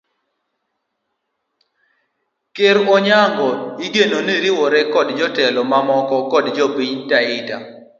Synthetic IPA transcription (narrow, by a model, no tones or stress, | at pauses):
keɾwɔɲaŋɡɔiɡenoniɾiwɔɾɛkɔdd͡ʒɔtɛlɔmamɔkɔkɔdd͡ʒopiɲtaɪta̰